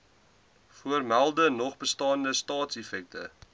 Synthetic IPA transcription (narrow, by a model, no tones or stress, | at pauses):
fuərmælˠdənɔχbəstɑːndəstɑːtsɛfɛk̚tʰə̰